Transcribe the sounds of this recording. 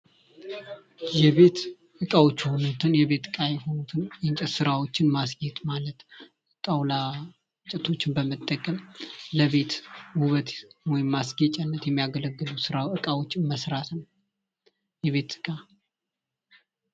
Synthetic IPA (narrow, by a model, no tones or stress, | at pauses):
jɛβe̞t̪ | ʔɨkʼawo̞t͡ʃːho̞nut̪ʰɨnjɛβe̞t̪ɨkʼajɛho̞nut̪ʰɨnjnt͡ʃʼɛsɨɾawo̞t͡ʃːɪnmasɡet̪ʼmalət̪ | t̪ʼawla | t͡ʃʼɛt̪ʰo̞t͡ʃːɪnbəmət̪ʼːəkʼːəmləβe̞t̪huβət̪wɔjɪmːasɡet͡ʃʼɛnːət̪jɛmːijaɡələɡːɨlusɨɾaɨkʼawo̞t͡ʃːɪnməsɾat̪nə | jɛβe̞t̪ɨ̥kʼa